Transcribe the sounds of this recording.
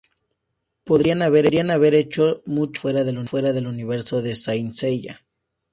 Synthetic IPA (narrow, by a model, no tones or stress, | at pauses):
poðɾianaβeɾɾianaβe̞ɾet͡ʃomut͡ʃfwe̞ɾaðelufwe̞ɾaðe̞luniβe̞ɾso̞ðe̞sajnseʝa̰